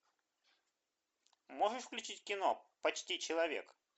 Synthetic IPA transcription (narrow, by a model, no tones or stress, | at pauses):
moʐɨʂfklʲʉt͡ɕitʲkʲɪnopɐt͡ɕtʲit͡ɕɪlˠɐvʲḛk